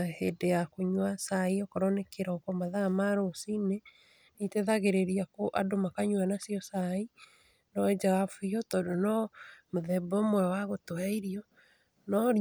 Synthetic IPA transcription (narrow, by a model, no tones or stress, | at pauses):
hedeakoɲwasaiɔkɔɾɔnekeɾɔkɔmaðamaɾosine | niteðaɣeɾeɾiakoʔadomakaɲwanasiɔsai | nɔd͡ʒaɣafuiotɔːdonɔmoðɛbɔmwɛwaɣotoaiɾiɔ | nɔ